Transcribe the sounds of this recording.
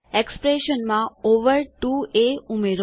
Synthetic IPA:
ekspɾeʃənmãoʋəɾʈueumeɾ

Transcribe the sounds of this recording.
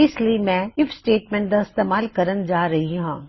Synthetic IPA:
ɪsliimɛ̃ːɪfʰsʈeːʈmɛ̃ːɳʈ̚d̪aɪst̪eːmaːlkɐɾənd͡ʒaːɾɐɦiɦãː

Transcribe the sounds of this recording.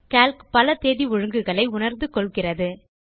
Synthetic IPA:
kaːlkpɐlɐt̪eːðiɔɻɯŋɡɯɣɐɭɐɪʊnɐɾnd̪ɯkɔɭɣɪrɐðɯ

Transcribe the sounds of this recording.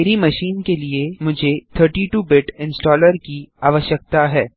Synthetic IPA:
eːɾimɐʃiːnkeliemʊd͡ʒʱet̪ʰəɾʈiʈuːbɪʈɪ̃nsʈɔːləɾkiaːʋəʃək̚t̪aɦɛː

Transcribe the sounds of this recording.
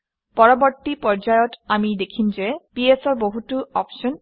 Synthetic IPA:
pɔɹɔbɔɹt̪ipɔɹd͡ʑajɔtamid̪ekʰimd͡ʑepiesɔɹboɦutuɔpʃɔn

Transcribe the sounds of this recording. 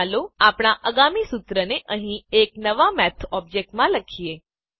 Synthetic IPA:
loapɽ̃aʔəɡamisut̪ɾəneʔə̃ɦĩeknəʋamɛt̪ʰɔb̚d͡ʒek̚ʈmãləkʰije

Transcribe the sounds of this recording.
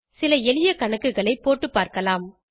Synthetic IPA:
sɪlɐɛɭɪjɐkɐɳɐkːɯɣɐɭɐɪpːoːʈːɯpːaːɾkɐlaːm

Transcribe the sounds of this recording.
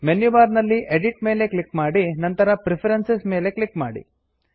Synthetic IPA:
menjuʋaːɾnɐlːiʔeɖiʈme̞ːle̞klikmaːɽinɐnt̪ɐɾɐpɾipʰɐɾensesme̞ːle̞klikmaːɽḭ

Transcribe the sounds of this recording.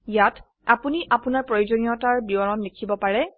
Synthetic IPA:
jat | apuniʔapunaɹpɹojozonijɔtaɹbiɔɹɔnlekʰibɔpaɹɛ

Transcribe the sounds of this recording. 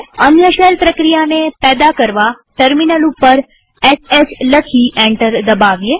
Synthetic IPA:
əmjəʃəlpɾəkɾijanepɛːd̪akəɾʋa | ʈəɾminəlupːəɾ | esesləkʰiʔɛ̃ɳʈəɾd̪əbaʋje

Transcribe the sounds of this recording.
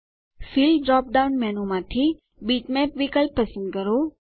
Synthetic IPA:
filɖɾɔp̚ɖawnmɛnomãt̪ʰi | biʈmɛpʋikəlpːəsə̃nd̪̚kəɾo

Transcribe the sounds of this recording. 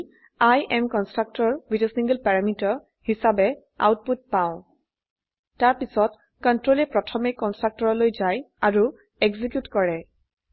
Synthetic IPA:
ajʔɛmkɔnstɹak̚tɔɹbitɛsĩŋɡəlpaɹamitɔɹ | hisabɛ | a̰wt̚put̚pãʊ̃ | taɹpisɔt | kɔntɹolɛpɹɔtʰɔmekɔnstɹak̚tɔɹɔlojzaj | aɹu | eɡzik̬jutkɔɹɛ

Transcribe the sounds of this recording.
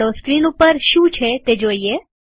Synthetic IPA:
oskɾinupəɾʃũt͡ʃʰet̪ed͡ʒoie

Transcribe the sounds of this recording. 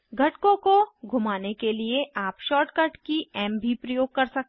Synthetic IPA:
ɡʱɐʈkõkoɡʱʊmaːnekelieaːpʃɔːɾʈkɐɾʈkiɛːmbʱipɾɐjoːɡ̚kɐɾsɐk̚t̪

